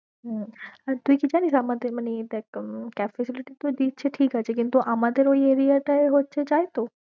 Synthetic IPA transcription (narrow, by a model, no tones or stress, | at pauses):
ɦat̪uikid͡ʒanisamãt̪emanit̪ɛkkafɛsɪlɪʈit̪od̪iːt̪t͡ʃʰeʈʰiːkat͡ʃʰek̬ɪ̃nt̪uʔamãd̪eɾoieːɾijat̪aeɦot̚t͡ʃʰed͡ʒaːet̪o